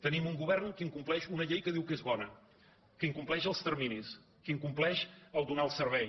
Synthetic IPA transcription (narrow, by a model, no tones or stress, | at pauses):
t̪ənimuŋɡuβɛrnkiŋkumplɛʃunəʎejkəðiwkezβɔnə | kiŋkumplɛʃəlˠst̪ərminis | kiŋkumplɛʃəlˠd̪unalˠsərβɛj